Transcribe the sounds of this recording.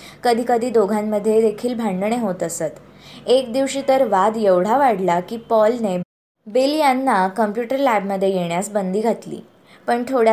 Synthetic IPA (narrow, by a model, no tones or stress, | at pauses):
kəd̪ʱiːkəd̪ʱiːd̪oɡʱamːəd̪ʱːjed̪ekʰiːlbʱãɳɖɳeɦot̪əsət̪ | ek̚d̪iʋɕiːt̪əɾʋad̪jeʋɽ̤aʋaɽlakiːpɔlne | beljanːakəmpjuʈəɾlæbməd̪ʱːjejeɳjasbənd̪iːɡʱat̪lḭː | pəɳt̪ʰoɽ